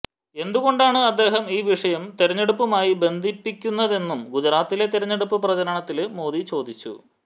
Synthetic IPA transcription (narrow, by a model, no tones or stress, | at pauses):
e̞nd̪uɣo̞ɳɖaːɳɨɐd̪ːe̞ːɦɐmiːʋiʂɐjɐmt̪eɾɐɲːeɽupːɐmaːjibe̞nd̪ʱipːikʲːunːɐðe̞nːumɡud͡ʑɾaːt̪ːile̞t̪eɾɐɲːeɽupːɨprɐd͡ʑɐɾɐɳɐt̪ːilmo̞ːd̪it͡ɕo̞ːd̪ʱit͡ɕːṵ